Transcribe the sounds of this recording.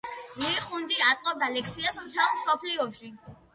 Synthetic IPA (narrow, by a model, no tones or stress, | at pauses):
miːχund̪iat̪sʼqʼɔb̚d̪alɛksiast̪ʰamsɔpʰliɔʃi